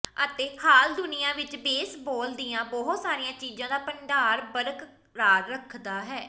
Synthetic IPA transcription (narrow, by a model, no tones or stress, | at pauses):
ət̪eːhaːld̪ʊnɪjãːʋɪt͡ʃbeːsboːld̪ijãːbɔːɦt̪saːɾɪjãːt͡ʃiːd͡ʒãːd̪aːpəɳɖaːɾbəɾk | ɾaːɾːəkʰd̪aːɦɛː